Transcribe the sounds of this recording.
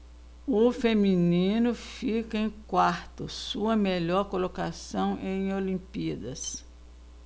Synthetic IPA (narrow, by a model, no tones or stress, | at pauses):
ʊfeminĩnʊfikɐẽj̃kwaɾt̪ʊsuɐmeʎɔɾkolokasɐ̃w̃ʔẽj̃olĩmpid̪ɐs